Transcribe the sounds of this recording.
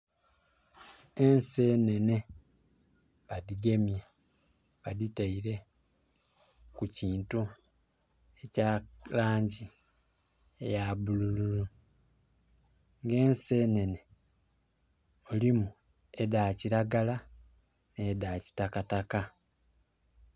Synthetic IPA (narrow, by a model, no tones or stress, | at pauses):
e̞nse̞ːne̞ne̞ | βaðiɡe̞mje | βaðitaiɾe̞ | kuciːntu | e̞calaːɲɟi | ḛjaβulululu | ŋɡe̞ːnse̞ːne̞ne̞ | olimu | e̞daːciɾaɡala | nedaːci̥takataka